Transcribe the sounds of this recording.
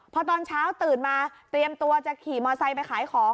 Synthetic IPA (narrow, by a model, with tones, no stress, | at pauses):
pʰɔ˧˥t̪ɔː˧nt͡ɕʰaː˦˥wt̪ɯː˨˩nmaː˧t̪ɾi˧əmt̪u˧ɐt͡ɕa˨˩kʰiː˨˩mɔː˧sa˧jpa˧jkʰaː˩˦jkʰɔː˩˦ŋ